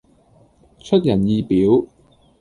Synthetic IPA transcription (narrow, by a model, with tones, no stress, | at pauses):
t͡ʃʰɵ˥t̚jɐ˨˩njiː˧piː˨˥w